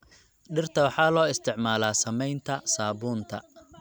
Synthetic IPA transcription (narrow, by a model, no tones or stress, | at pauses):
ɖɪrt̪ʰɐwɑħɑːlɔːɪst̪ʰɪʕmaːlaːsɐmɛjnt̪ʰɐsaːβuːnt̪ʰɐ̰